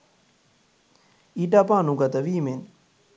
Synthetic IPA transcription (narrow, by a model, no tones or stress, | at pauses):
iɖapaːnuɡat̪əʋiːmen